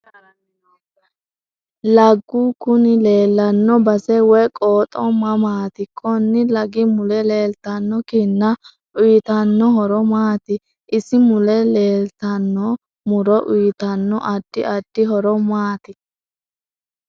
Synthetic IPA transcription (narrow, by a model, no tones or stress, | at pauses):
lɐɡːukʊnɪle̞ːlːɐnːɔbɐsɛwɛjkʼoːt̪ʼɔmɐmaːt̪ɪkʰɔnːɪlɐɡɪmʊlɛleːlt̪ɐnːɔkɪnːɐ | ʊjt̪ɐnːɔɦɔɾɔmaːt̪ɪ | ʔɪsɪmʊlɛle̞ːlt̪ɐnːɔ | mʊɾɔʔʊjt̪ɐnːɔʔɐd̪̥ːɪɐd̪̥ːɪɦɔɾɔmaːt̪ɪ